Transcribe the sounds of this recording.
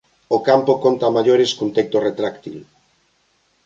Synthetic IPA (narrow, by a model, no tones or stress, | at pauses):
okampokont̪amaʎoɾeskunt̪ek̚t̪oret̪ɾakt̪ḭl